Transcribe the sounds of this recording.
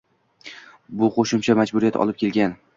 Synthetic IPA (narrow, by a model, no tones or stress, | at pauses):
bʊqʰoʃɪmt͡ʃʰamad͡ʒbʊɾijat̪ʰɒ̰lˠɪp̚kʰʲe̞lɡʲan